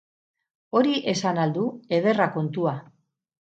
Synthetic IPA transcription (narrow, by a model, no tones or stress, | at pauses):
o̞ɾiʔe̞sanald̪ue̞ð̞e̞rako̞nt̪ua